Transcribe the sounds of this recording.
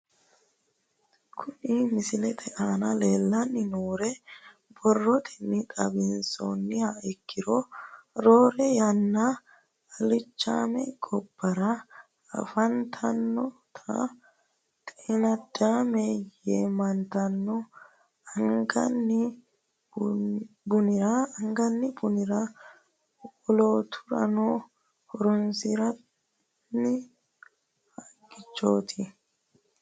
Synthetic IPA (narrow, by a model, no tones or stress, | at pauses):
kʰʊnimɪsɪlɛt̪ʰɛʔaːnɐle̞ːlːɐnːɪnoːɾɛ | bɔrːɔt̪ʰɛnɪkʼɐbɪnso̰nːɪhaɪkːɪɾɔɾoːɾɛjɐnːɐ | ɐlɪt͡ʃːa̰ːmɛɡɔb̥ːɐɾɐ | ɐ̰fɐnt̪ʰɐnːɔt̪ʰɐ̰ | t̪ʼeːnɐd̪ːaːmeːjeːmɐnt̪ɐnːɔ | ɐŋɡɐ̰nːɪ | bʊnɪɾaɐŋɡɐnːɪbʊnɪɾa | ɔloːt̪ʰʊ̥ɾɐ̰noː | hɔɾɔnsɪɾɐ | nɪ | hɐɡɪt͡ʃːoːt̪ʰɪ